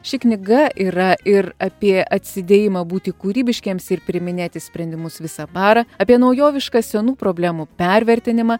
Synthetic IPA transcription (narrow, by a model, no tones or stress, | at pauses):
ʃʲɪknʲɪɡɐʔiːɾɐʔɪɾɐpʲiɛɐt̪ʲsʲɪd̪ʲeːjɪmɐbuːt̪ʲɪkuːɾʲiːbʲɪʃʲkʲiɛmsɪɾpʲɾʲɪmʲɪnʲeːt̪ʲɪsʲpʲɾʲɛnʲd̪ʲɪmʊsʋʲɪsɐbɑːɾɐɐːpʲiɛnɐʊjoːʋʲɪʃkɑːsʲɛnuːpɾoːbʲlʲæːmupʲɛɾʲʋʲɛɾʲt̪ʲɪnʲɪmɐː